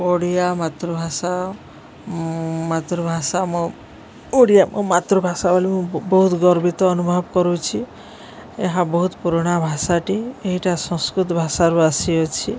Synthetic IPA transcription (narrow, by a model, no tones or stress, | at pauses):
oɽijamat̪ɾubʱasa | mat̪ɾubʱasamɔ | oɽijamʔɔ̃mat̪ɾubʱasabʱɔlimũbɔɦut̪ɡɔɾbit̪ɔːnubʱɔbkɔɾut͡ʃʰi | eɦãbɔɦut̪puɾɔɽ̃abʱasaʈieɦiʈasɔ̃skɾut̪ɔbʱasaɾuasiɔt͡ʃʰi